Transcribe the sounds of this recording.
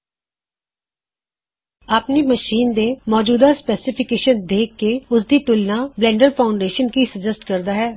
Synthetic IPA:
aːpneməʃiːnd̪emɔːd͡ʒuːd̪aspɛːsɪpʰɪkeːʃənd̪eːkːeʊs̬d̪it̪ʊlnablɛ̃ːɳɖəɾpʰaːʊɳɖeːʃənkisəd͡ʒəsʈkəɾd̪aːɦɛː

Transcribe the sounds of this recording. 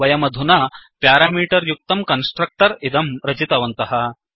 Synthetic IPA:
ɐjɐmɐd̪ʱunɐpjaːɾaːmiːʈɐɾjuk̚t̪ɐmkɐnsʈɾɐk̚ʈɐɾid̪ɐmɾɐt͡ʃit̪ɐʋɐnt̪ɐɦɐ

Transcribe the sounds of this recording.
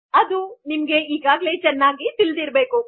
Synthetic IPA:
ɐd̪unimɐɡe̞iːɡaːɡle̞t͡ʃɛnːaːɡit̪ild̪iɾbe̞ːku

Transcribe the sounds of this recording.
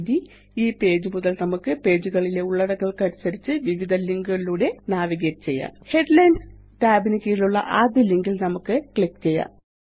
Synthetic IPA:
ði | iːpe̞ːd͡ʑumuðɐlnɐmukːɨpe̞ːd͡ʑuɣɐɭile̞uɭːɐɽɐŋːɐɭkɐɾisɐɾit͡ɕːɨʋiʋid̪ʱɐliŋɡuɣɐiluːɽe̞naːʋiɣɐt͡ɕe̞jːa̰ːhe̞ɖlɐjnd | taːbinikʲːijiluɭːɐ̰ʔaːd̪jiliŋɡilnɐmukːɨkɭikːt͡ɕe̞jːa̰ːn

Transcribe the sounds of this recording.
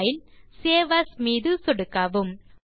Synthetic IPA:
jilseːʋɐsmiːðɯsɔɽɯkːɐʋɯm

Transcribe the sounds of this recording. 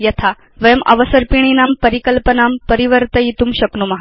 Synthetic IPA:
jət̪ʰa | ʋəjəmʔə̰ʋəsəɾpiɳ̃inampəɾikəlpənampəɾiʋəɾt̪əit̪uːmɕəknumaɦa

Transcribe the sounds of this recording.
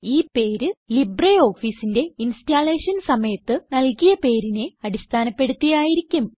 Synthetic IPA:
iːpe̞ːɾɨlibrɐjo̞ːfiːsinde̞instaːle̞ːʂɐnsɐmɐjɐt̪ːɨnɐlkijɐpe̞ːɾine̞ɐɽist̪ʰaːnɐpːe̞ɽut̪ːijaːjiɾikʲːum

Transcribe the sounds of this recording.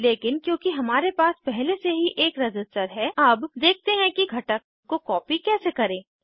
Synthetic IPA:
leːkɪnkjõːkiɦɐmaːɾepaːspɛɦleseɦiʔeːkɾɐd͡ʒɪsʈəɾɦɛɐbd̪eːk̚ʰt̪eɦɛ̃kiɡʱɐʈəkːokɔːpikɛːsekɐɾẽː

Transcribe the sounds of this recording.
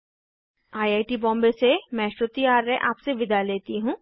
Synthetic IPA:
aːjaːʈibɔ̃ːmbesemɛ̃ːʃot̪ijaːɾːeʔaːpseʋɪd̪aleːt̪iɦũː

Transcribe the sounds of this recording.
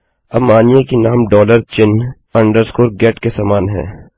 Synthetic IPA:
ɐbmaːnijekinaːmɖɔːləɾt͡ʃɪn | ɐ̃ɳɖəɾskoːɾɡɛːʈkesaːmaːnɦɛ̰̃ː

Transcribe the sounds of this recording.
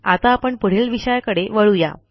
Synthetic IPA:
at̪aːpəɳpəɽ̤elʋiɕəjakəɽeʋəɭuja̰

